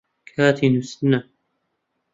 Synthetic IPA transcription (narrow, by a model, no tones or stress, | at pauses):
kʰaːt̪ʰinusnːa